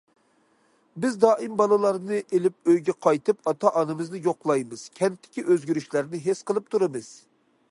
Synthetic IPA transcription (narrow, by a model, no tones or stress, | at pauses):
bɪzd̪ɑːʔimbɑlˠɨlˠɑɾnɨʔelɪp̚øjɡʲɛqʰɑjt̪ɨpɑt̪ʰɑʔɑnɨmɨznɨjoqlˠɑjmɨz̥kʲʰɛnt̪ːɪ̥kʲiʔøzɡʲyɾyʃlæɾnɪɦesqəlˠɨp̚t̪ʰuɾɨmɨz̥